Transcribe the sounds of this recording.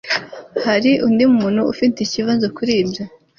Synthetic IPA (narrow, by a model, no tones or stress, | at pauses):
haɾiʔundimumuːnhuufinticiβaːnzokuɾiːbja